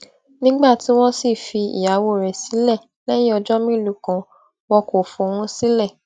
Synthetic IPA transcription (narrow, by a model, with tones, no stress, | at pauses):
nĩ˦ɡ͡ba˦˨tĩ˨˦w̃ɔ̃˦si˦˨fi˧ḭ˨ja˨˦wo˦˨ɾɛ˨si˨˦lɛ˦˨ | lɛ˦j̃ĩ˦ɔ˧d͡ʒɔ˦mĩ˦˨lu˨kã˨ | wɔ˧ko˨fũ˨˧˨w̃ũ˦si˦lɛ˦˨